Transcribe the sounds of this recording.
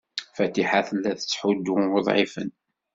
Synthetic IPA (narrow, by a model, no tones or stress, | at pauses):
fæt̪iħaθəlːæθə̥t͡sːħud̪ːuʊðˤʕifə̰n